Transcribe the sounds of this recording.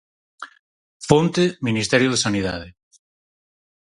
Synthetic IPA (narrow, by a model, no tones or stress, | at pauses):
font̪eminist̪ɛɾjoð̞esaniða̰ð̞e